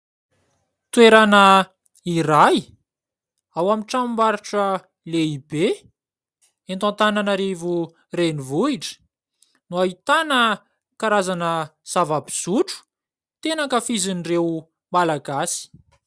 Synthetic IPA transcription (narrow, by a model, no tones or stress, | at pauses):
t̪ueɾanə | iɾaj | awamiʈ͡ʂamimbaɾuʈ͡ʂə | leibe | ẽnt̪ãnt̪ananaɾivu | renivuiʈ͡ʂə̥ | nuaɦit̪anə | kaɾazanəz̥avabiz̥uʈ͡ʂu̥ | t̪enakəfizinirew | malaɡasi̥